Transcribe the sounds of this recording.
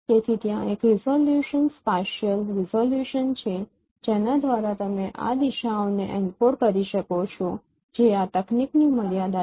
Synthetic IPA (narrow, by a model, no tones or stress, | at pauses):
ket̪ʰit̪jãekɾizoljuʃənspɛʃəlɾizoljuʃənt͡ʃʰe | d͡ʒenad̪ʋaɾat̪əmeʔa̰d̪iʃaoneʔɛnpoɾkəɾiʃəkot͡ʃʰo | d͡ʒeat̪əknikniməɾjad̪a